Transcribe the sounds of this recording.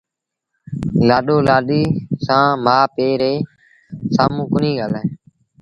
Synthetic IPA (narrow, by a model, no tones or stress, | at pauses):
laːɗoːlaːɗiːsãːmaːpeːɾeː | saːmũːkʊnĩːɡaːlẽː